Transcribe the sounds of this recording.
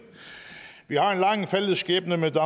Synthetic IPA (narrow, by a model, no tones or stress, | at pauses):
ʋihɑ̈e̝nlɑ̈ŋfelð̩sɡ̥ɛ̰ːb̥nəmed̥ɑ